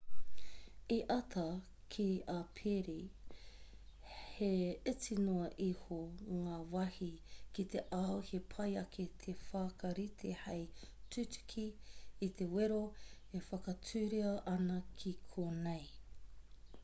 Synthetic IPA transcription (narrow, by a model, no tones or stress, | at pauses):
iʔɐt̪ʰɐ | kʰiapʰeɾi | heet͡sinoɐʔihoŋaːvɐhikit̪eʔaohepʰɐjɐkʰet̪ʰefaːkɐɾit̪ʰehejtʉtʉ̥kʰiːt̪ʰeweɾo | efɐkɐt͡sʰʉːɾiɐʔɐnɐkʰikʰoːnej